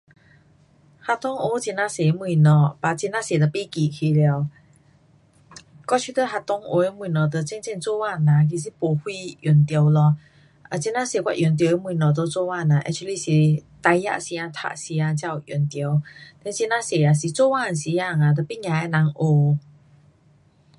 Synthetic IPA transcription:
ha˧t̪ɔ˧˦ŋʔo˧˦t͡ɕi˧nã˧˨se˨˦mwi˧˨nɔ˨˩pa˨t͡ɕi˧na˧˥se˨˩t̪ə˨pi˦˨ki˨˩kʰi˧lɛ˧w | kɔ˥˧t͡ɕʰi˧˦t̪ə˧˨ɦa˧t̪ɔ˧˦ŋʔo̰˨˧˦e˧˦mwĩ˧˨nɔ˨˩t̪ə˧˨t͡ɕɛ˥˧nt͡ɕɛ˥˧nt͡so˥˧˨wa˧˨nã˨k̬i˨s̬i˧˦po˨˩hwi˥˧jɔ˨˩nt̪jo˨˧wlɔ˧ | a˨t͡ɕi˧nã˧˥se˨˩kwa̰˧˨ʔjʔo˨˩nt̪̬je˧˦mwũ˧˨nɔ˨˩t̪̬o˧˦t͡so˥˧wa˥˧˨nã˨ʔɛ̰˧k̚t͡ʃu˧li˧si˨t̪a˧jja̰˧ʔsi˧a˧t̪ʰa̰˧ʔsi˧a˧t͡ɕja˥˧˨wju˨˩nt̪jo˧˦wt̪ɛ˧nt͡ɕi˧nã˧˥se˨˩a˨si˨t͡so˥˦˨wa˥˨nsi˧˦a˧˨ŋa˨˩t̪ə˨pi˦˥˨ŋã˨ɛ˧˦na˨˧˦ŋʔo˧˦

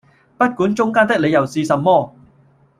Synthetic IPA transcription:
pɐ˥t̚kuː˨˥nt͡ʃʊ˥ŋkaː˥nt̪ɪ˥k̚le˨˧jɐ˨˩wsiː˨˧sɐ˨mːɔː˥

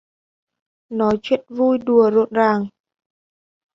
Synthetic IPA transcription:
nɔ˨˦jt͡ɕwḭ˧˨ənvu˧jɗu˨˩əzo̰˧˨nzaː˨˩ŋ

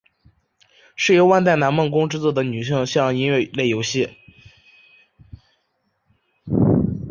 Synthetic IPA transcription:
ʂɻ̩˥˩jo˧˥ʊwa˥˧nt̪̬a˥˩ɪna˧˥nmə˥˩nkʊ˥ŋʈ͡ʂɻ̩˥˧t͡swɔ˥˩d̪ə˩ny˨˩ɕi˥˧ŋɕjɑ˥˧ŋi˥nɥɛ˥˩le˥˩ɪjo˧˥ʊɕɛ˥˩

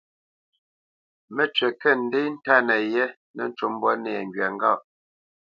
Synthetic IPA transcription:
mɛ˦t͡ʃɥɛ˨kɛ˦n̩˨˦de˦n̩˦ta˦˨nɛ˨jɛ˦ | nɛ˨n̩˦t͡ʃu˦m˦bwɔ˦nɛː˨ŋɡɥɛ˨ŋ˦ɡa˦˨ʔ

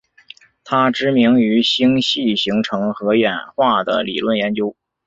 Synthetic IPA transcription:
t̪ʰa˥ʈ͡ʂɻ̩˥mi˧˥ŋy˧˥ɕi˥ŋɕi˥˩ɕi˧˥ŋʈ͡ʂʰɤ˧˥ŋxɤ˧˥jɛ˨˩nxwa˥˩d̪ə̰˩lḭ˨˩lwə˥˩njɛ˧˥nt͡ɕjo˥ʊ

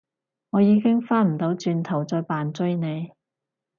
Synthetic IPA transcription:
ŋɔː˨˧jiː˨˧kɪ˥ŋfaː˥nm̩˨˩t̪o˨˧˥wt͡ʃyː˧nt̪ʰɐ˨˩wt͡sɔː˧jpaː˨nt͡sɵ˥jne˨˧j

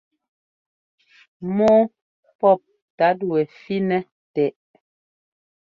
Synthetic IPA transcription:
mɔː˦ | pɔ˦˨p̚ | ta˨˦dwɛ˨fi˦nɛ˦ | tɛ˨ʔ

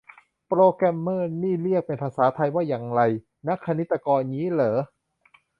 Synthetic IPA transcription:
pɾoː˧kɛ˧mːɤː˥˩niː˥˩ɾi˥˩ək̚pe˧npʰaː˧saː˩˦t̪ʰa˧jwaː˥˩jaː˨˩ŋɾa˧j | na˦˥kʰːa˧ni˦˥t̪ːa˧kɔː˧nɲiː˦˥lɤː˩˦

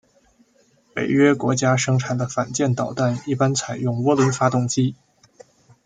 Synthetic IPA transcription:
pḛ˨˩ɪɥɛ˥kwɔ˧˥t͡ɕja˥ʂɤ˥ŋʈ͡ʂʰa˨˩nd̪ə˦fa˨˩nt͡ɕjɛ˥˩nt̪ɑ˨˩ʊt̪a˥˩ni˥˩pa˥nt͡sʰa˨˩ɪjʊ˥˩ŋwɔ˥lwə˧˥nfa˥t̪ʊ˥˩ŋt͡ɕi˥

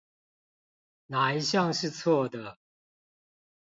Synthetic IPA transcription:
na˨˩i˦˥ɕjɑ˥˨ŋʂɻ̩˥˧˨t͡sʰwɔ˥˩d̪ə˩

